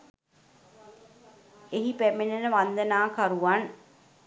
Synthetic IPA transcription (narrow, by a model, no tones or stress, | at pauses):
eɦipæmenenəʋand̪ənaːkaɾuʋan